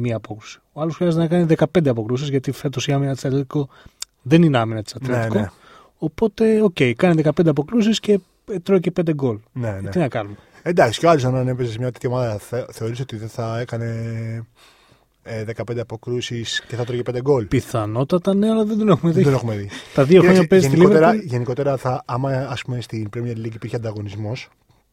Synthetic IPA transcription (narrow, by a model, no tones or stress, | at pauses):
miɐːpo̞kɾu̥si̥oɐlosxɾiɐzet̪nɐkɐniðekɐpe̞nd̪e̞ɐpo̞kɾusizʝɐt̪ife̞t̪o̞siɐminɐt̪isɐt̪let̪i̥ko̞ | ðe̞nineɐminɐt̪i̥sɐt̪leeiko | opo̞t̪e̞o̞ce̞ijkɐniðekɐped̪ɐpo̞kɾus̬isce̞ | t̪ɾocepe̞nd̪e̞ɡo̞lnet̪inɐkɐnume | end̪ɐksi̥coɐlosonɐnepesesemɲɐt̪it̪iomɐðɐθe̞o̞ɾiso̞t̪iðenθɐekɐne̞ | eðe̞kɐpend̪eɐpo̞kɾusisceθɐt̪ɾoceped̪eɡo̞lpiθɐno̞t̪ɐt̪ɐneɐlɐðend̪onexumeðid̪nexumeðit̪ɐðioxɾoɲɐpeziiloeɾɐʝe̞niko̞t̪eɾɐθɐɐmɐːspumest̪inpɾomiɐiliciːpiɾçeɐnd̪ɐɣo̞nizmo̞s